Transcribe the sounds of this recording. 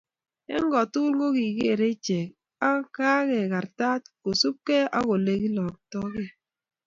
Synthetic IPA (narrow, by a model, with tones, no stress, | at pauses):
ḛ˦ŋ˦ɡɔ˨tu˦lŋɡo˦ki˨ke˦˨ɾe˦t͡ʃe˨k̚ | a˦ka˦ɣe˨ka˨ɾta˦t̚ko˨su˦p̚ke˦a˦ko˨le˨ki˦lɔ˨k̚tɔ˦ke˦˨